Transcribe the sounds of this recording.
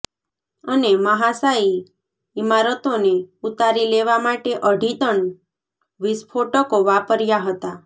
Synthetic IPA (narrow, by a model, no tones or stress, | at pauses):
əneməɦasai | imaɾət̪oneut̪aɾileʋamaʈeʔəɖʱit̪əɳ | ʋɪspʰoʈəkoʋapəɾjaɦət̪a